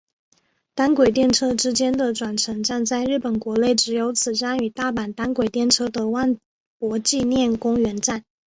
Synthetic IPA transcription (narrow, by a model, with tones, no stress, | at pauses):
t̪a˥nkwe˨˩ɪt̪̬jɛ˥˩nʈ͡ʂʰɤ˥ʈ͡ʂɻ̩˥t͡ɕjɛ˥nd̪ə˨ʈ͡ʂwa˨˩nʈ͡ʂʰɤ˧˥ŋʈ͡ʂa˥˧nt͡sa˥˧ɪɻɻ̩˥˩pə˨˩nkwɔ˧˥le˥˩ɪʈ͡ʂɻ̩˧˥jo˧˥ʊt͡sʰɹ̩˨˩ʈ͡ʂa˥ny˨˩t̪a˥˩pa˨˩nt̪a˥nkwe˨˩ɪt̪jɛ˥˩nʈ͡ʂʰɤ˥d̪ə˨wa˥˩n | pwɔ˧˥t͡ɕi˥˧njɛ˥˩nkʊ˥ŋɥɛ˧˥nʈ͡ʂa˥˩n